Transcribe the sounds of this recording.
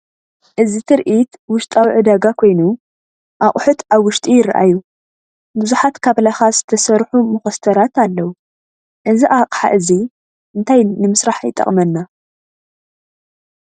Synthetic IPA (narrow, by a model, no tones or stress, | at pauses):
ʔɨzit̪ʰɨɾʔit̪wʊʃt̪ʼawiʕɨd̪aɡakʰo̞jnu | ʔakʼħut̪ʰaβwʊʃt̪ʼijɪɾa̰ʔa̰ju | bɨzuħat̪kʰaβlaxazɨt̪ʰɐsɐɾħumɨxɐst̪ʰɐɾat̪ʰalːɐwu | ʔɨziʔaqʼħa̰ʔɨzi | ʔɨnt̪ʰajnɨmɨsɾaħajt̪ʼːɐ̰χʼmɐnːa